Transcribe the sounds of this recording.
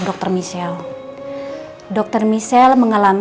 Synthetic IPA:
dɔk̚t̪ɔrmisɛl | dɔk̚t̪ərmisɛlməŋalam

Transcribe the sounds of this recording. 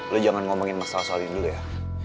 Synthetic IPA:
lod͡ʒaŋanŋomɔŋɪnmasalasamindulaja

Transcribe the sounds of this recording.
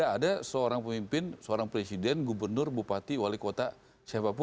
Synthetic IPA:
aːdasəoɾaŋpəmimpɪnsəoɾaŋpɾesidɛnɡubərnʊrbupat̪iwalikot̪a | ʃabap̬

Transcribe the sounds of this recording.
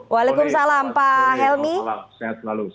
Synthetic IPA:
walekʊmsalampaɦɛlmi

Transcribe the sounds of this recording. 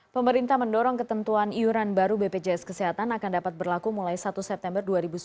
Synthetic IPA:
pəməɾint̪ahməndɔɾɔŋkət̪ənt̪uaniuɾanbaɾubeped͡ʒeɛskəsɛɦat̪anakandapat̪̚bərlakumulajsat̪usɛp̚t̪ɛmbərduaɾibus

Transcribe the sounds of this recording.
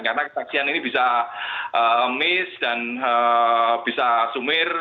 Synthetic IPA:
kaɾənakə̥saksianinib̥isaʔəmɪsd̥anəb̥isasumɪr

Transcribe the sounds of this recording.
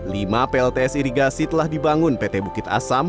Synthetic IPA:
limapeɛɛlt̪eɛsiɾiɡasit̪əlahdibaŋʊnpet̪ɛbukɪt̪a̰sam

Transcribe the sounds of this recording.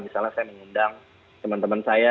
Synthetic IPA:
bisalnasajaməŋundaŋ | t̪əmant̪əmansaja

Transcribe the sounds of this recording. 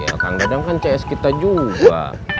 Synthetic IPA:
ja̰ka̰ŋɡadaŋkant͡ʃaɛskit̪ad͡ʒuba̰

